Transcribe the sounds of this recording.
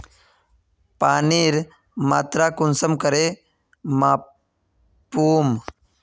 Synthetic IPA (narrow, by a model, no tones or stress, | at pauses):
paːniːɾ | maːt̪ɾaːkʊnsəmkəɾe | maː | puːm